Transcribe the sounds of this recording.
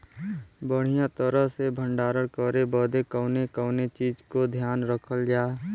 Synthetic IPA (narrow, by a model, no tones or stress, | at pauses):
bəɽ̤ijãt̪əɾəɦsebʱə̃ɳɖaːɾəɽkəɾebəd̪ekəʊnekəʊnet͡ʃiːd͡ʒkod̪ʱjaːnɾəkʰəld͡ʒaː